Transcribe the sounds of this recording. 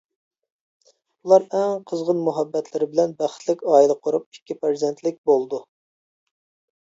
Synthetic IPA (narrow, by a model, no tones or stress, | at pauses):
ulˠɑɾɛŋqʰəzʁənmuɦɛbːɛt̪ʰlɪɾɪbɪlɛnbæχt̪lɪkʲɑːilˠəqʰʊɾup̚ikʲːipeɾzent̪lɪk̚ʲbolˠd̪u